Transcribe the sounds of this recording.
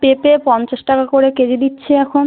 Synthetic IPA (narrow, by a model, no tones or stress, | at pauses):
pepepɔnt͡ɕaʃʈakakoɾeked͡ʑed̪itːɕʰeɛkʰon